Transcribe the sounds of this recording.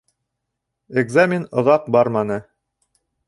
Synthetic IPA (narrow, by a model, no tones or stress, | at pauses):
eɡzamʲɪnŏðɑq̚bɑɾmɑnɤ